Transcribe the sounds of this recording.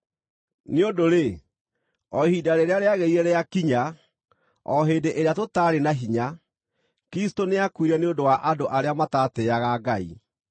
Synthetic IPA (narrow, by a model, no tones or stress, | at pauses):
neondoɾe | ɔhiːdaɾeɾeaɾeaɣeiɛɾɛjakiɲa | ɔɦeːdeʔeɾeatotaɾenaɦiɲa | kɾistoneakwiɾɛneondowaʔadoʔaɾeamatateaɣaɡaḭ